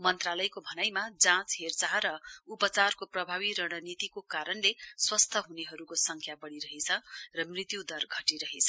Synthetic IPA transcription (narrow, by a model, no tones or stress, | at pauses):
mʌnt̪ralʌjkobʱʌnajmad͡zãt͡sɦert͡saɾʌupʌt͡sarkoprʌbʱaβiɾʌɽ̃ʌnit̪ikokaɾʌnleswʌst̪ʰʌɦuneɦʌɾukosʌŋkʰjabʌɽiɾʌɦet͡sʰʌrʌmrit̪jud̪ʌrɡʱʌʈiɾʌɦet͡sʰʌ